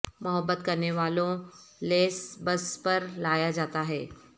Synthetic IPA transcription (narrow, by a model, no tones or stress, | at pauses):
mɐɦəbːət̪kɐɾneʋaːlõleːsbɐspɐɾlaːjad͡ʒaːt̪aɦɛː